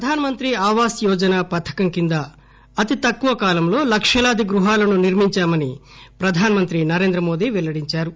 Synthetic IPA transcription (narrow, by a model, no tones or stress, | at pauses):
pɾɐd̪ʱaːnɐmɐnt̪ɾiaːʋaːsjɔːd͡ʒɐnaːpɐt̪ʰːɐ̥kɐmkind̪ɐː | t̪it̪ɐkːuʋɐkaːlɐmlo̞ːlɐkʂɐlaːd̪iɡɾuɦaːlɐnuniɾmiɲt͡ʃaːmɐnipɾɐd̪ʱaːnɐmɐnt̪ɾinɐɾeːnd̪ɾɐmoːd̪iːʋɛlːɐɽiɲt͡ʃaːɾu